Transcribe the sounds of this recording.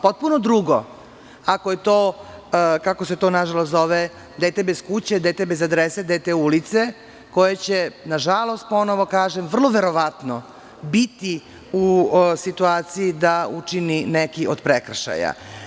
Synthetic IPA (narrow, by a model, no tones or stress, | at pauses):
pot̪̚punod̪ɾuɡo | akojet̪oː | kako̞se̞t̪o̞ːnaʒalost̪o̞ʋe | d̪et̪ebeskut͡ɕed̪eːt̪ebe̞zad̪ɾesed̪et̪eulit̪se̞ | ko̞jet͡ɕenaʒalˠo̞st̪̚po̞noʋo̞kaːʒemʋr̩lˠoʋe̞ɾo̞ʋat̪no | bit̪i | usit̪uaːt̪siid̪aut͡ʂininekiʔod̪pɾekr̩ʃa̰ja̰